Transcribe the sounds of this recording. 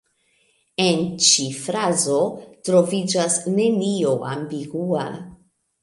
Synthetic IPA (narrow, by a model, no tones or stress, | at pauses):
e̞nt͡ʃifɾazo̞tɾo̞vid͡ʒasne̞nio̞ʔa̰mbiɡua̰